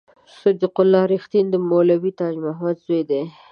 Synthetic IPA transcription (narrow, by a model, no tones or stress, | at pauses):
sʊd̪iqʊlːɑɾixt̪ind̪əmolawit̪ɑd͡ʒmaɦmad̪zojd̪e